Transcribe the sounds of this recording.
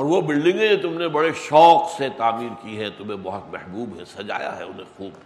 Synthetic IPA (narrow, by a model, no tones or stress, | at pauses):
ɔːɾʋobɪlɖɪ̃ŋɡẽet̪ʊmnebɐɽeʃɔːkset̪aːmiːɾkiɦɛt̪ʊmẽbɔɦʊt̪mɛhbuːbɦɛ̰sɐd͡ʒa̰ːja̰ɦɛ̰ʊnẽxuːb